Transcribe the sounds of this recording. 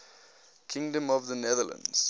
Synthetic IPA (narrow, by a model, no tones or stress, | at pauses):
kʰɪ̃ŋdə̃mɔvðənɛðələ̰̃nz̥